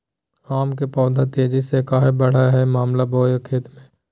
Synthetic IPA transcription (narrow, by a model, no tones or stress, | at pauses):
aːmkepɔːd̪ʱat̪eːd͡ʒisekaːɦebəɽ̤aɦɛmaːmlaboːjəkʰeːt̪mẽː